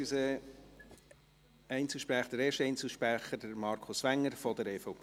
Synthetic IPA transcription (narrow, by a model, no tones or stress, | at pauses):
ysə | ɛɪnt͡sɪʃpɾæχəd̥əɾeːɾʃtɛɪjnt͡səʃpɾæχəɾd̥əɾmɑːɾkʰʊsʋæŋːəɾfɔd̪əɾeːfɔp